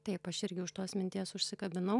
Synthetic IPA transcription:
t̪ɐɪpɐʃɪɾʲɡʲɪʊʃt̪oːsmʲɪnt̪ʲiɛsʊʃʲsʲɪkɐbʲɪnɐʊ

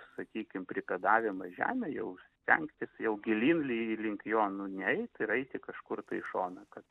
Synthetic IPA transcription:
sɐkʲiːkʲɪmpʲɾʲɪpʲɛd̪ɑːʋʲɪmɐʒʲæ̰ːmʲɛjɛʊsʲt̪ʲɛ̰ŋkt̪ʲɪsjɛʊɡʲɪlʲiːnlʲɪlʲɪŋʲkʲjoːnʊnʲɛɛɪt̪ɪɾɐɪt̪ʲɪkɐʃkʊrt̪ɐɪʃoːnɐkɐt̪

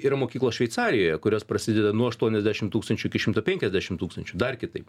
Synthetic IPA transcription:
iːɾɐmoːkʲiːklˠoːsʃʲʋʲɛɪt̪sɑːɾʲɪjoːjɛkʊɾʲoːspɾɐsʲɪd̪ʲɛd̪ɐnuɔɐʃt̪uɔnʲɛzʲd̪ʲæʃʲɪmt̪uːkst̪ɐnʲt͡ʃʲʊɪkʲɪʃʲɪmt̪opʲɛŋʲkʲɛzʲd̪ʲæːʃʲɪmt̪uːkst̪ɐnʲt͡ʃʲʊd̪ɐrkʲɪt̪ɐɪp

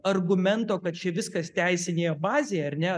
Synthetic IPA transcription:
ɐrɡʊmʲɛnt̪oːkɐt̪̚t͡ʃʲɛʋʲɪskɐst̪ʲæɪsʲɪnʲeːjɛbɑːzʲeːjɛɐɾʲnʲɛ

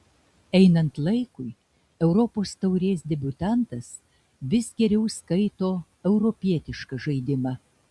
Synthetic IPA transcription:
ɛɪnɐnt̪lˠɐɪkʊj | ɛʊɾɔpoːst̪ɐʊɾʲeːsd̪ʲɛbʲʊt̪ɑnt̪ɐs | ʋʲɪsɡʲɛɾʲɛʊskɐɪt̪oː | ɛʊɾɔpʲiɛt̪ʲɪʃkɐʒɐɪd̪ʲɪmɑ

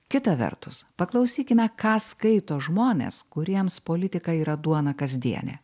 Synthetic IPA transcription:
kʲɪt̪ɐʋʲɛ̰ɾt̪ʊspɐklˠɐʊsʲiːkʲɪmʲɛkɑːskɐɪt̪oːʒmoːnʲḛːskʊɾʲiɛmspoːlʲɪt̪ʲɪkɐiːɾɐd̪uɔnɐkɐzʲd̪ʲiɛnʲɛ̰

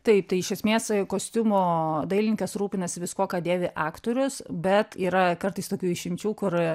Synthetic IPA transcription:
t̪ɐɪp̚t̪ɐɪɪʃʲɛsʲmʲeːskoːsʲt̪ʲʊmoːd̪ɐɪlʲɪnʲŋkɐsɾuːpʲɪnɐsʲɪʋʲɪskoːkɑːd̪ʲeːʋʲɪʔɑːkt̪oːɾʲʊsbʲɛt̪iːɾɐkɐrt̪ɐɪst̪oːkʲuːɪʃʲɪmʲt͡ʃʲuːkʊr

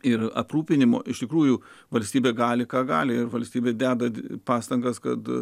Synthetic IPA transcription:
ɪrɐ̰pruːpʲɪnʲɪmo̰ːɪʃt̪ʲɪkɾuːjʊʋɐlʲsʲt̪ʲiːbʲeːɡɑːlʲɪkɑːɡɑ̰ːlʲɪɪɾʋɐlʲsʲt̪ʲiːbʲeːd̪ʲæːd̪ɐpɑːst̪ɐŋɡɐskɐt̪

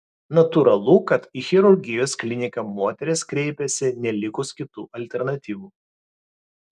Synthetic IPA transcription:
nɐt̪uɾɐlˠuːkɐt̪ixʲɛɾʊɾʲɡʲɪjoːsklʲɪnʲɪkɐmoːt̪ʲɛɾʲɪskɾʲɛɪpʲɛsʲɪnʲɛlʲɪkʊskʲɪt̪uːʔɐlʲt̪ʲɛɾnɐt̪ʲiːʋuː

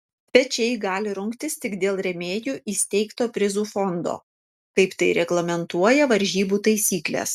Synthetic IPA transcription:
pʲɛt͡ʃʲɛɪɡɑːlʲɪɾʊŋkt̪ʲɪst̪ʲɪkd̪ʲeːlˠɾʲɛmʲeːjuːʔiːsʲt̪ʲɛɪkt̪oːpʲɾʲɪzuːfɔnd̪o̰ː | kɐɪpt̪ɐɪɾʲɛɡlˠɐmʲɛnt̪uɔjɛʋɐɾʲʒʲiːbuːt̪ɐɪsʲiːklʲḛːs

